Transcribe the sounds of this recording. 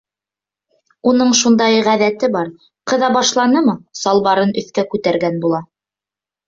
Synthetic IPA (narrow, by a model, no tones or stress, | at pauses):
unɤɴʃund̪ɑjʁæðæt̪ɘbɑɾ | qɤ̆ðɑbɑʃlˠɑnɤmɤsɑlˠβɑɾɤnɵ̆θkækʉt̪æɾɡænbulˠɑ